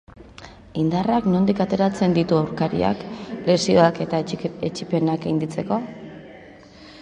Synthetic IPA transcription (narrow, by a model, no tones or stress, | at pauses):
ind̪araknond̪ikat̪e̞ɾat͡se̞nd̪it̪uawɾkaɾḭa̰kle̞sio̞ake̞t̪aet͡ʃipe̞nakajnd̪it͡se̞ko̞